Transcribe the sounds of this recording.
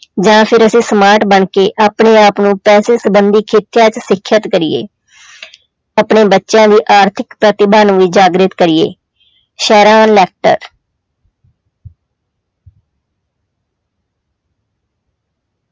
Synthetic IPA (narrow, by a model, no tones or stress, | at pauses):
d͡ʒãːpʰɪɾəsĩːsəmaːɾʈbəɳkeːʔaːpɳeːaːpnũːpɛːseːsəbənd̪iːkʰɪt̪ɪjãːt͡ʃsɪkʰːjət̪kəɾiḛː | aːpɳeːbətːʃjãːd̪iːʔaːɾt̪ʰɪkpɾət̪ɪbaːnũːʋiːd͡ʒaːɡɾɪt̪kəɾijḛː | ʃɛːɾaːnlɛːk̚ʈə̰ɾ